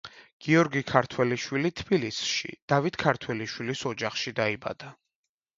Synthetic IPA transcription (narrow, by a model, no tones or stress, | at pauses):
ɡ̥iɔɾɡikʰaɾt̪ʰwɛliʃwilit̪ʰbilisʃḭd̪̥avit̪ʰkʰaɾt̪ʰwɛliʃwilisɔd͡ʒaχʃid̪aiba̰d̪a